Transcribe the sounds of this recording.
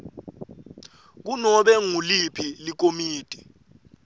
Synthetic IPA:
k̬unɔɓɛŋulipʰilik̬omiːtʼi̥

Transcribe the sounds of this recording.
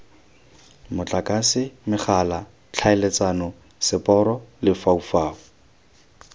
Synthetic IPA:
mʊt͡ɬʼakʼasɪmɪχʰala | t͡ɬʰaɪlet͡sanɔ | sɪpʼɔɾɔlɪfaufaːɔ

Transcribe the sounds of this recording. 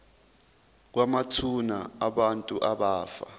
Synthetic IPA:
k̬wamatʰunaaɓantʼuʔaɓaːfa̰

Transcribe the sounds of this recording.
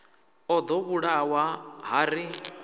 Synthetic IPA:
ɔd̪ɔβuɺawaɦaɾi

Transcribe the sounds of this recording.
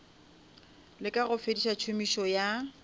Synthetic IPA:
lɪkʼaɣʊfediʃat͡ʃʰomiʃɔja

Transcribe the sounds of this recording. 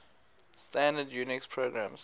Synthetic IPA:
stæ̃ndədjuːnɪkspʰɹoɡɹãms

